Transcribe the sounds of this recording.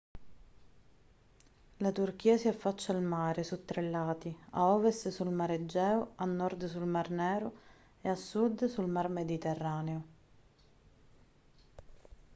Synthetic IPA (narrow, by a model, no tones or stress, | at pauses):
lat̪urk̟iːasiafːat͡ʃːalmaːɾesut̪ːɾelːaːt̪ia̰ɔːvɛst̪sulmaɾed͡ʒːɛːʊanːɔrd̪sulmarnɛːɾʊ | easːud̪sulmarmed̪it̪ɛrːaːneʊ